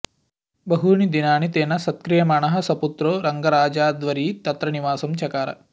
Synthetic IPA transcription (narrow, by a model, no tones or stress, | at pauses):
bɐɦuɳid̪inaːnit̪eːnɐsɐt̪kɾijɐmaːɳɐɦɐ̆sɐput̪ɾoːɾɐŋɡɐɾaːd͡ʒaːd̪ʋɐɾiːt̪ɐt̪ɾɐniʋaːsɐmt͡ʃɐkaːɾɐ̰